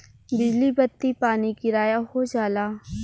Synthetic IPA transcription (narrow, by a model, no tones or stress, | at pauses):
bɪd͡ʒlibɐt̪ːipaːnikɪɾaːjaɦod͡ʒaːlaː